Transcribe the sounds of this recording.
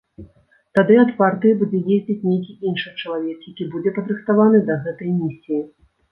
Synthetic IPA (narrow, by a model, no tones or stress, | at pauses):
t̪ad̪ɨat̪part̪ɨjbud͡zʲɛjezʲd͡zʲit͡sʲnʲejkʲiʔinʂɨt͡ʂɐlˠavʲɛkjakʲibud͡zʲɛpɐd̪ɾɨxt̪avanɨd̪ɐɣɛt̪ɐjmʲisʲiji